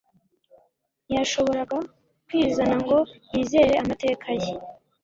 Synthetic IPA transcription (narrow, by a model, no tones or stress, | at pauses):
jaʃo̞βo̞ɾaɡa | kwiːzanaŋɡo̞jiːze̞ːɾe̞amate̞ːkʰaje